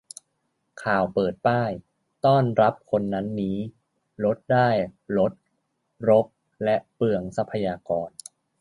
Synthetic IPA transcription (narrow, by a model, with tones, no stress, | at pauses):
kʰaː˨˩wpɤː˨˩t̪̚paː˥˩j | t̪ɔː˥˩nɾa˦˥p̚kʰo˧nːa˦˥nːiː˦˥ | lo˦˥t̪̚daː˥˩jɾo˦˥t̪̚ | ɾo˦˥p̚ | lɛ˦˥ʔpɯ˨˩əŋsa˦˥pʰa˧jaː˧kɔː˧n